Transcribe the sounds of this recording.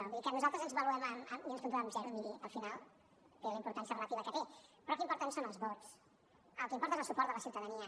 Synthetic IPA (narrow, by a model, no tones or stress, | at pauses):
wiðikənuzalˠt̪ɾəzənzβəluɛməməmiənspunt̪aβamzɛɾuβiβiəlˠfinalˠ | feləimpuɾt̪ansiəɐrələt̪iβəkɛt̪epɾɔkimpuɾt̪ɛnsonəlˠzβɔt͡s | əlˠkimpɔɾt̪ezəlˠsupɔɾt̪ðələsiuwt̪əðəniə